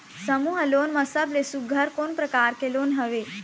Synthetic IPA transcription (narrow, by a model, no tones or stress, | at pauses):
səmuːɦəlonmãsəblesuɡʱəɾkonpɾəkaɾkeloːnɦəʋe